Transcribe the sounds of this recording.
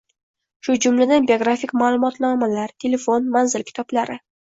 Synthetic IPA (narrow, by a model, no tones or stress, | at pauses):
ʃʊd͡ʒʊmlad̪anbioɡɾafikʲmaːlˠʊmɒt̪nɒmalaɾt̪ʰe̞le̞fo̞nmanzɪlkʲʰɪ̥t̪ʰɒblaɾɪ